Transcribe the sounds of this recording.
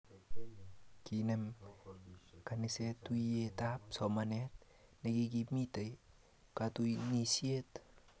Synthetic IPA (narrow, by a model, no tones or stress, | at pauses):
kinem | kanisetːuietap̚somanet̚ | nekikipmitej | katunisiet